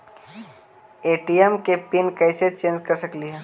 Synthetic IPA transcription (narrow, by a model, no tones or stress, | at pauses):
eːʈiɛmkepinkɛːset͡ʃẽːnd͡ʒkɐɾsɐkliɦɛː